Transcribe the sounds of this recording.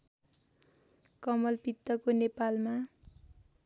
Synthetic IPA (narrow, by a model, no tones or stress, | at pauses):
kʌmʌlpit̪ːʌkonepalma